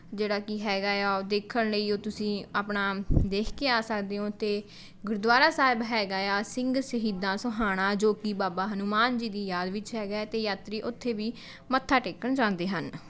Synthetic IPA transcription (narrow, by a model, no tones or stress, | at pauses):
d͡ʒeːɽaːkɪɦɛːɡaːjaːod̪eːkʰːəɳləiːoːt̪ʊsĩːaːpɳaːd̪eːkʰkeːaːsəkd̪eːõːt̪eː | ɡʊɾd̪ʊaːɾaːsaːɪbɦɛːɡaːaːsɪ̃ŋɡsəɦiːd̪ãːsəɦaːɽ̃ãːd͡ʒoːkibaːbaːɦənumaːnd͡ʒiːd̪iːjaːd̪ʋɪt͡ʃɦɛːɡaɛt̪eːjaːt̪ɾiːʔʊt̪ʰːeːʋiː | mət̪ʰːaːʈeːkəɳd͡ʒãːnd̪eːɦən